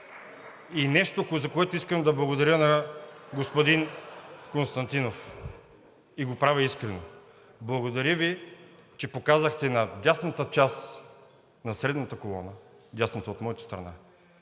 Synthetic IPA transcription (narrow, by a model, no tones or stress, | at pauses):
inɛʃt̪ozɐkoɛt̪oiskəmɛd̪ɐblˠɐɡod̪ɐɾʲjənɐɡospod̪inkonst̪ɐnt̪inof | iɡopɾavʲɛiskɾɛno | blˠɐɡod̪ɐɾʲəvit͡ʃɛpokazəxt̪ɛnɐd̪ʲasnɐt̪ət͡ʃas | nɐsɾɛd̪nɐt̪əkolˠɔ̰nə | d̪ʲjasnɐt̪əot̪mɔjit̪ə̥st̪ɾɐ̰na̰